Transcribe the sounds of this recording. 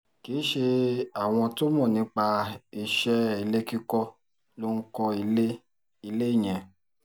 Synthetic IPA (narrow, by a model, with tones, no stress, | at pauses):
kiː˨˦ʃe˧a˨w̃ɔ̃˧to˦mɔ̃˦˨nĩ˨˧˦k͡pa˧i˧˨ʃɛ˦i˦˧˨le˦ki˦kɔ˧ | lo˦ŋ̩˦kɔ˧i˧le˦ | i˧le˦i˦˨j̃ɛ̃˨